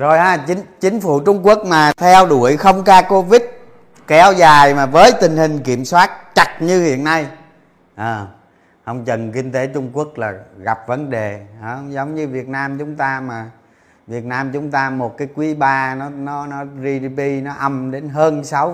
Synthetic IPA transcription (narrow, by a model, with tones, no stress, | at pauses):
zo˨˩jʔaː˨˧˩t͡ɕi˨˦ŋt͡ɕï˨˦ŋ̟fu˧˩˦t͡ɕʊ˧ŋ͡mku˦˥ək̚maː˨˩t̪ʰɛ˧wɗu˧˩əjxə˧wŋ͡mkaː˧ko˧vï˦˥t̚ | kɛ˨˦wzaː˨˩jmaː˨˩vəː˨˦jt̪ï˨˩ŋ̟hï˨˩ŋ̟ki˧˩˨əmswaː˦˥t̚t͡ɕa˨˩t̚ɲɨ˧hḭ˧˨ənːa˧j | ʔəː˨˩ | hə˧wŋ͡mt͡ɕə˨˩nkï˧ŋ̟t̪e˨˦t͡ɕʊ˧ŋ͡mku˦˥ək̚laː˨˩ɣa˨˩p̚və˨˦nɗe˨˩ʔəː˨˦zə˨˦wŋ͡mɲɨ˧vi˨˩ət̚naː˧mt͡ɕʊ˨˦ŋ͡mt̪aː˧maː˨˩ | vi˨˩ət̚naː˧mt͡ɕʊ˨˦ŋ͡mt̪aː˧mo˨˩t̚kaː˨˦jkwi˨˦ɓaː˧nɔ˨˦nɔ˨˦nɔ˨˦zi˧ɗi˧pi˧nɔ˨˦ʔə˧mɗe˨˦nɦəː˧nsa˨˦w